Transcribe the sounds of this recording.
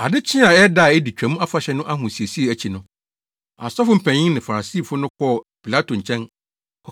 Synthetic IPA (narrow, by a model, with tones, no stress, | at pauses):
a˨dɪ˦t͡ɕʰɪ̃˦a˨ɛ˦da˦˨ɛ˦di˨t͡ɕᶣæ˨mũ˦a˦fa˨ɕɛ˦nʊ̃˦ʔa˦ɦʊ̃˨si˨e˨si˦e˨æ˨t͡ɕʰi˨nʊ̃˦ | a̰˨sɔ˦fʊ˦m̩˨pʰæ̃˨ɲɪ̃˦ŋnɪ̃˨fa˨ɾa˨si˦˨fʊ˦nʊ̃˦kʰɔ˦˨pi˨la˦tʰo˨ɲ̩˨t͡ɕʰɛ̃˦n | ɔ˨